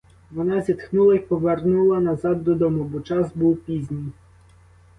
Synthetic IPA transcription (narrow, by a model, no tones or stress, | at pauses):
ʋɔnɑzʲit̪xnulˠɐpɔʋernulˠɐnɐzɑd̪ːɔd̪ɔmʊbɔt͡ʃɑzbuwpʲizʲnʲij